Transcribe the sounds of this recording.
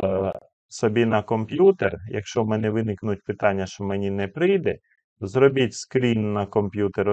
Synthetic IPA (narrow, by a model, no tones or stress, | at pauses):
sɔbʲinɐkɔmpʲjut̪erjɐ̰kʃt͡ʃɔmɛnɛʋɪnɪknʊtʲpɪt̪ɑnʲːɐʃt͡ʃɔmɛnʲinɛpɾɪjd̪ɛ | zɾɔbʲitʲskɾʲinːɐkɔmpʲjut̪eɾ